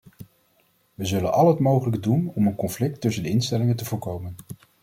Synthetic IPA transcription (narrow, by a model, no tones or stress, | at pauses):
ʋəzɵlənʔɑlɦətmowχələkədunɔmənkɔnflɪk̚tɵsəndəɪnstɛlɪŋəntəvʊːɹkowmən